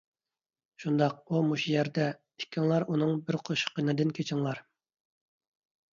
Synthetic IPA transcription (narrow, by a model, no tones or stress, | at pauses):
ʃund̪ɑq̚umuʃijæɾd̪ɛ | i̥kʲʰːiŋlˠɑɾʔunɨŋbɪɾqʰoʃqənɨd̪ɨnkʲʰet͡ʃʰɪŋlˠɑɾ